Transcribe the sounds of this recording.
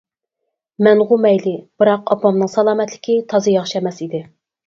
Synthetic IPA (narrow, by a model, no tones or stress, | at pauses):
mɛŋʁʊmɛjlɪb̥ɨɾɑqɑpɑmnɨŋsɑlˠɑːmɛt̪lɪkʲʰit̪ʰɑzɨjɑχʃɛmɛsid̪ɪ